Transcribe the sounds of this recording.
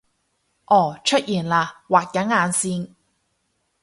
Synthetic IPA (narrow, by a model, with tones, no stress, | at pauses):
ʔɔː˨˩t͡ʃʰɵ˥t̚jiː˨˩nlaː˧waː˨˩k̚jɐ˨˥ŋaː˨˧nsiː˧n